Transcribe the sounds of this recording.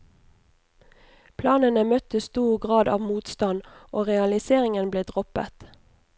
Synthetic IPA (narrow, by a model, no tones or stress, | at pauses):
pʰlɑːnənəmœt̪əst̪uːʁɡʁɑːd̪ɑ̰ːʋmuːt̪st̪ɑnoːʁɛɑlɪseːʁɪŋənbleːd̪ʁɔpə̰t̪